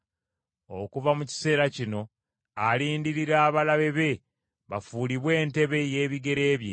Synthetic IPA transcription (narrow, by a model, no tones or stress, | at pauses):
okuvamuci̥se̞ːɾacino̞ | aliːndiɾiɾaːβalaβe̞βe̞ | βafuːliβwe̞ːnte̞βe̞je̞ːβiɡe̞ɾe̞ːβje